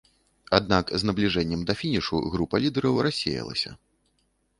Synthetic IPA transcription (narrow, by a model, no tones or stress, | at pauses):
ad̪nakznɐblʲiʐɛnʲːɛmd̪ɐfʲinʲiʂṵɣɾupɐlʲid̪ɛɾɐwrʔasʲḛjɛ̰lˠɐ̰sʲɐ̰